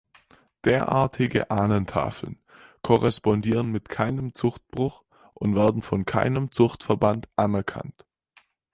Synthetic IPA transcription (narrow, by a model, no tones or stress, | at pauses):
d̥eːɐʔa̰ːɐtʰɪɡə̰ʔaːnəntʰa̰ːfl̩n | kʰɔʁɛspɔndiːʁənmɪtkʰaɪnəmt͡sʊxt̚b̥ʁʊx | ʔʊntv̥eːɐdn̩fɔnkʰa̰ɪnəmt͡sʊxtfɛɐbantʔanɛɐkʰa̰nt